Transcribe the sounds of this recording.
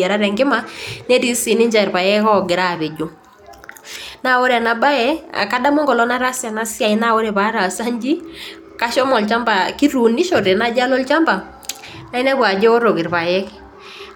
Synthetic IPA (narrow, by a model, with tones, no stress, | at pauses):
a˨ɾa˦ɾɛ˨ŋɡɪ˦ma˦nɛ˦ti˦si˨nɪ˦ɲd͡ʒa˨ɾpa˨jɛ˦kɔ˦ɡɪ˨ɾa˦˨βe˨d͡ʒo˨ | na˦˨wɔ˦ɾɛ˨na˨ba˦ɛ˦a̰˨ka˦da˦mɔ˦ŋɡɔ˨lɔ˦na˦ɾa˦sja˨na˦sja˨ɪ˦na˦˨wɔ˦ɾɛ˨pa˦ɾa˨sa˦ɲd͡ʒi˦ | ka˦ʃɔ˦mɔ˨lt͡ʃa˦mba˨ki˦ɾu˨ni˦ʃɔ˨ɾɛ˨na˦d͡ʒa˦lɔ˦lt͡ʃa˦mba˨ | na˦ɪ˦nɛ˦bwa˨d͡ʒɛ˦ɔ˦ɾo˨kɪ˨ɾpa˨jɛ˦k